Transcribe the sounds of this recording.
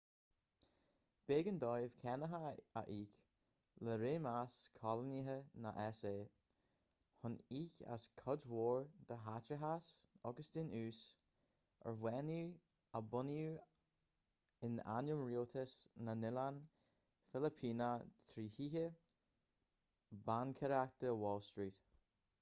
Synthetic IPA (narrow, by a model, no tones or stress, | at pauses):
b̥eːɡənd̪ɔjəv̥kʰɛnəɦəa̰ʔiːk | ləɾeːmaskʰɔləniɦəna̰ʔɛseː | hʊniːça̰skʰɔdwoːɹd̪̥əɦatəɦasɔɡəsd̪ɪnʉːs | ʔə̰ɹwɛnu | əbʊnju | ɪna̰njəmɹiot̪ʰəsnanɪlan | fɪləpʰiːnət̪ʰɾiːhiːhə | bankʰɛɾak̚d̪̥əwɔlˠstɹiːt̪